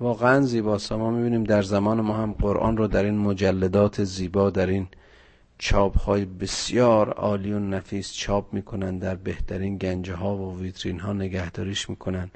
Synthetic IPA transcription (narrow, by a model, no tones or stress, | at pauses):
vɒːɣeænziːbɒːsæmɒːmibiːniːmd̪æɾzæmɒːnemɒːhæmɢoɾʔɒ̰ːnɾɔːd̪æɾiːnmod͡ʒælːæd̪ɒːt̪ʰeziːbɒːd̪æɾiːn | t͡ʃʰɒːbhɒːjebesjɒːɾɒ̰ːliːonæfiːst͡ʃʰɒːp̚miːkʰonænd̪d̪æɾbe̞ht̪ʰæɾiːnɡænd͡ʒeɦɒːvoviːt̪ʰɾiːnɦɒːne̞ɡæhd̪ɒːɾiːʃmiːkʰonænd̪̥